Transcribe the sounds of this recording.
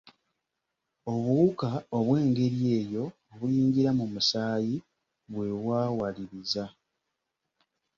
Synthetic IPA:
o̞βuukao̞βwe̞ːŋɡe̞ɾje̞ːjo̞ː | βuliːɲɟiɾamumusaːji | βwe̞βwaːwaliɾiza

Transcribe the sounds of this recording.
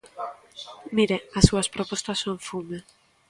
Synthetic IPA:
miɾeasːuɐspɾopost̪asːõɱfume

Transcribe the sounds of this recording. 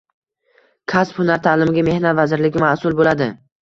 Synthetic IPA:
kʰasphʊnaɾt̪ʰaːlɪmɪɡʲame̞hnat̪vazɪɾlɪɡʲɪmasʊlˠbolad̪ɪ

